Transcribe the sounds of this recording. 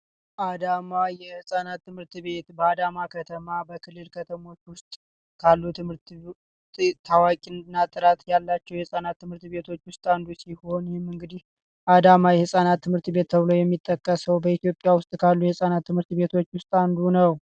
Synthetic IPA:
ʔad̪amajɛhhɨsʼanat̪ːɨmhɨɾt̪βe̞t̪bəad̪amakʰət̪ʰəmabəkʰɨlːɨlkʰət̪ʰəmo̞t͡ʃːwʊst̪ʼ | kʰalːut̪ʰɨmhɨɾt̪ | t̪ʰawakʼinnːat̪ʼɨɾat̪jalːat͡ʃːɛwjɛhɨsʼanat̪ːɨmhɨɾt̪βe̞t̪ʰo̞t͡ʃːwʊst̪ʼand̪usiho̞njɛmːɨŋɡɨd̪ih | ʔad̪amajɛhɨsʼanat̪ʰːɨmhɨɾt̪be̞t̪̚ːʰəβɨlo̞jɛmːit̪ʼːəkʼːəsəwbəit̪ijo̞pʼjawʊst̪ʼkʰalːujɛhɨsʼanat̪ːɨmhɨɾt̪be̞t̪ʰo̞t͡ʃːwʊst̪ʼand̪unəw

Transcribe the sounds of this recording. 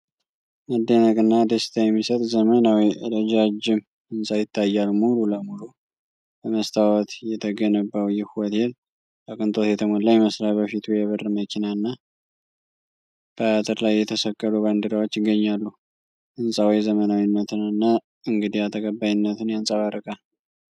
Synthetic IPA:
məd̪ːənəkʼɨnːad̪əst̪ʰajɛmːisət̪ʼzəmənawiʔɨ̰ɾəd͡ʒad͡ʒɪm | ɨnsʼajɪt̪ʰːajːalmululəmulu | bəməst̪ʰawɔt̪jɛt̪ʰəɡənəbːəwjɪhuwɔt̪el | t̪ʼəkʼɨnt̪ʼo̞t̪jɛt̪ʰəmolajməsɾabəfit̪ʰujɛβərːɨməkʰinaɨnːa | b̥əat̪ʼɨɾlajːɛt̪ʰəsəkʼːəluβand̪əɾawot͡ʃːɪɡːəɲːalːu | ʔɨnsʼawijzəmənawinːət̪ʰɨnɨnːa | ɨŋɡɨd̪ijat̪ʰəkʼəbːajɪnːət̪ʰɨnjansʼaβaɾəkʼa

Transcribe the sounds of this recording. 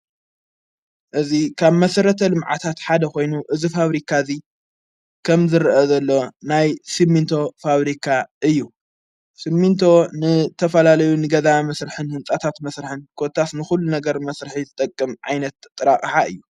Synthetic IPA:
ʔɨzikʰaβmɐsɐɾɐt̪ʰɐlɨmʕa̰t̪ʰat̪ħad̪ɐko̞jnuʔɨzifaβɾikʰazi | kʰɐmzɨɾʔɐzɐlːo̞najsimːint̪ʰo̞faβɾikʰaʔɨjːu | simːint̪ʰo̞nɨt̪ʰɐfɐlalɐjunɨɡɐzamɐsɾɨħɨnhɨnt͡sʼat̪ʰat̪mɐsɾɨħɨnkʰot̪ʰːasnɨxulːunɐɡɐɾmɐsɾɨħizɨt̪ʼɐkʼːɨmʕa̰jnɐt̪ʼːɨɾaχʼħaɨ̰jːu

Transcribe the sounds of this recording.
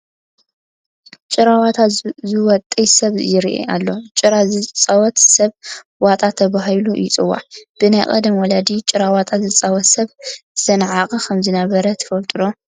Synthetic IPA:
t͡ʃʼɪɾawat̪ʰazɨwɔt̪ʼːɐjsɐβjɪɾiʔḛa̰lːo̞t͡ʃʼɨɾazt͡sʼawɔt̪sɐβ | wat̪ʼat̪ʰːɐβaɦjlujɪt͡sʼɨwa̰ʕb̥ɨnajkʼɐ̰d̪ɐmwɔlɐd̪it͡ʃʼɪɾawat̪ʼazɨt͡sʼawɔt̪sɐβɨ̥sɐnʕakʼɐkʰɐmzɨnɐβɐɾɐt̪ʰɐ̥fɐlt̪ʼɨd̪o

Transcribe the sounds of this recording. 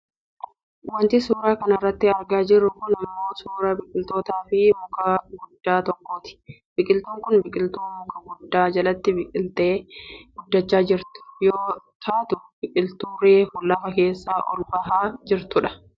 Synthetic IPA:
wɐnt̪ɪsuːɾaːkɐnɐrːɐt̪ːɪɐɾɡaːd͡ʒɪrːʊkʊnɪmːo̞ːsuːɾɐbɪkʼɪlt̪oːt̪aːfɪmʊkɐɡʊd̪ːaːt̪ɔkːoːt̪ɪ̥ | b̥ɪkʼɪlt̪uːŋkʊnbɪkʼɪlt̪uːmʊkʼɐɡʊd̪ːaːd͡ʒɐlɐt̪ːɪbɪkʼɪlt̪eːɡ̥ʊd̪ːɐt͡ʃːaːd͡ʒɪɾt̪ʊ̥joːt̪ʰaːt̪ʊb̥ɪkʼɪlt̪uːɾeːfʊlːɐfɐke̞ːsːaːʔɔ̰lbɐɦaːd͡ʒɪɾt̪ʊᶑɐ̥

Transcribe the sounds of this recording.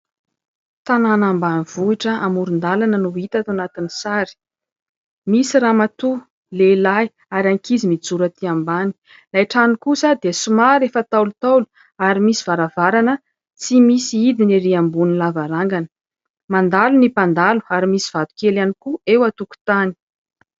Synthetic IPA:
t̪ananambaniv̥uiʈ͡ʂəamuɾund̪alanənuit̪at̪anat̪inisaɾi̥ | misiɾamat̪u | lelaj | aɾaŋkizimid͡zuɾət̪iambani̥ | lajʈ͡ʂanikusad̪eəsumaɾefət̪awlut̪awlu̥ | aɾimisi̥v̥aɾavaɾanə | t͡simisiid̪iniɾiambunilavaɾaŋɡanə̥ | mand̪alunipand̪alu̥aɾimisi̥v̥at̪u̥kelanikuewat̪uku̥t̪ani̥

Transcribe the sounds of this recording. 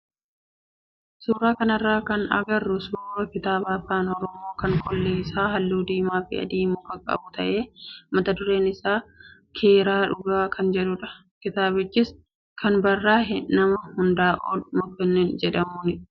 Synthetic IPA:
suːɾaːkɐnɐrːaːkɐnɐ̰ɡɐrːʊsuɾoːfɪt̪aːbaːfaːnɔɾɔmoːkɐŋkɔlːeːɪsaːɦɐlːuːd̪iːmaːfɪ̰ɐ̰d̪iːmʊkɐkʼɐ̰bʊt̪ɐʔe̞ːmɐt̪ɐd̪ʊɾe̞ːnɪsaːkʰe̞ːɾaːᶑʊɡaːkʰɐnd͡ʒɛᶑʊᶑɐ | kɪt̪aːbɪd͡ʒːɪs | kʰɐnbɐrːaːɦɪnɐmɐhʊnd̪aːʔo̰ːlmɔkːɛnːeːnd͡ʒɛᶑɐmuːnɪ

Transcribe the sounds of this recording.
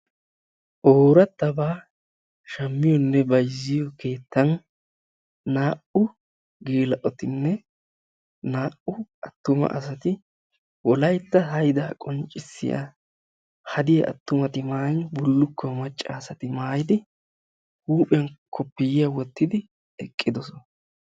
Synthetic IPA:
ʔoːɾɐt̪ːɐbaː | ʃɐmːɪjɔnːɛbɐjzːɪjɔke̞ːt̪ːɐn | aːʔʊ | ɡeːlɐʔɔt̪ɪnːɛ | naːʔʊʔɐt̪ːʊmɐ̰ʔɐ̰sɐt̪ɪ | wɔlɐjt̪ːɐɦɐjd̪aːkʼɔnt͡ʃʼːɪsːɪ̰ja̰ | hɐd̪ɪjɐʔɐ̰t̪ːʊmɐt̪ɪmaːnbʊlːʊkʰːɔmɐt͡ʃʼːaːsɐt̪ɪmaːjɪd̪ɪ | huːpʼɪɐnkʰɔpːɪjɪjawɔt̪ːɪd̪ɪ | ɛkʼːɪd̪ɔsɔn

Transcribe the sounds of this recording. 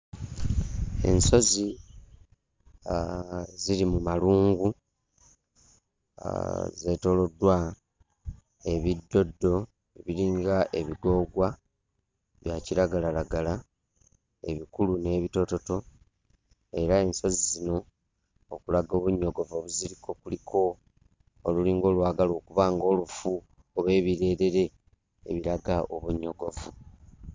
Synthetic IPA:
e̞̰nso̞zi | ziɾimumaluːŋɡu | ze̞ːto̞lo̞dːwa | e̞βidːo̞dːo̞ | βiɾiːŋɡaʔe̞βiɡo̞ːɡwa | βjaciɾaɡalalaɡala | e̞̰βikulune̞ːβito̞to̞to̞ | e̞ɾae̞nso̞zizino̞ː | kulaɡo̞ːβuɲːo̞ɡo̞voβuziɾikʰo̞kulikʰo̞ | oluliːŋɡo̞ːlwaːɡalo̞ːkuβaːŋɡo̞ːlufu | oβwe̞ːβiɾe̞ːɾe̞ɾe̞̰ː | βiɾaɡaʔoβuɲːo̞ɡo̞vu

